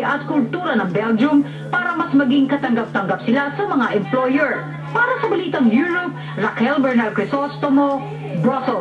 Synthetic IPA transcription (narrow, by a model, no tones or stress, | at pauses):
ʔɐt̪̚kʊlt̪uːɾɐnɐŋbɛld͡ʒʊm | paːɾɐmɐsmɐɡiŋkɐt̪ɐŋɡap̚t̪ɐŋɡap̚sɪlasɐmɐŋaʔɛmplojɛɹ | paːɾɐsɐbɐliːt̪ɐŋjuɹʊp̚ | ɹakɛlbɛɹnalkɹɪsost̪omo | bɹosɛ